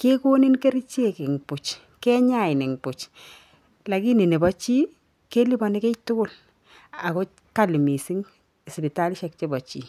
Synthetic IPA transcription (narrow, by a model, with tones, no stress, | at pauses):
ke˦ko˦ni˦nke˦ɾi˦t͡ʃe˦kɪ˨ŋpʊ˨t͡ʃ | kɛ˦ɲa˨ɪ˨nɪ˨ŋpʊ˨t͡ʃ | la˨ki˦ni˨ne˨bɔ˦t͡ʃi˦ | ke˦li˦bɔ˨ne˦ke˦tʊ˦kʊ˦˨l | a˨ko˦ | ka˦li˨mi˨si˦ŋ | e˨sbi˨ta˦lʃɛ˨k̚t͡ʃe˦bɔ˨t͡ʃi˦